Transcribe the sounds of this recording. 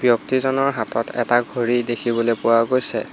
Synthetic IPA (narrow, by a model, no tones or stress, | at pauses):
bjɔktizɔnɔɹɦatɔtɛ̰taɡʱoɹidekʰibɔlopʊwaɡojsɛ